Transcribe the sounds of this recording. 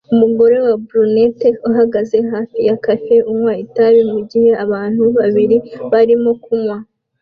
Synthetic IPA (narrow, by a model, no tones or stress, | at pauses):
umuɡo̞ɾe̞wabɾuneteuɦaɡaze̞ɦaːfijakafe̞ʔumŋwaitaβimuɟihe̞ʔaβaːn̥huβaβiɾiβaɾimo̞kumwa